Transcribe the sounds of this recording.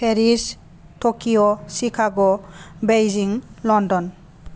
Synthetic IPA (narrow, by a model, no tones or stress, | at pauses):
pʰeɾis | tokijɔsikʰaɡɔbejziŋlɔndɔn